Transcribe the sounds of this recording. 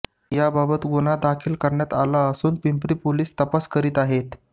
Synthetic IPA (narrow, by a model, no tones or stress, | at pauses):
jababət̪ɡoñad̪akʰiːlkəɾɳjat̪alaəsuːnpimpɾiːpoliːst̪əpaskəɾiːt̪aɦet̪